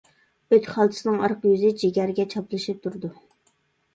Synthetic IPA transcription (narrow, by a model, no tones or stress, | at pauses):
øt̪ʲχɑlˠt̪ʰɨ̥sɨnɨŋɑɾqjyzɪd͡ʒeɡʲæɾɪɡʲɛt͡ʃʰɑplˠɨʃɨp̚t̪ʰuɾd̪u